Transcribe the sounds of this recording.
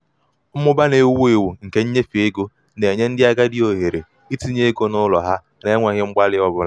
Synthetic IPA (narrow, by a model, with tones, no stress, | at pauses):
mʊ˦ba˦ne˦wu˦e˨wu˨ŋ̩˨ke˦ɲ̩˦ɲe˦fi˨e˦ɡo˦ | ne˨ɲe˦n̩˦dɪ˦a˦ɡa˦dɪ˦o˨ɦe˨ɾe˨ | i˦ti˦ɲe˦e˦ɡo˦nʊ˦lɔ˨ɦa˦ | ne˨˦ŋʷe˨ɣɪ˦ŋ͡m̩˦ɡ͡ba˦lɪ˦ɔ˦bʊ˦la˨